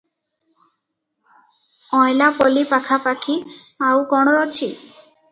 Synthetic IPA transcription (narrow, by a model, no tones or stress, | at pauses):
ɔjlapɔlipakʰapakʰiawkɔɽ̃ɔɾɔt͡ʃʰi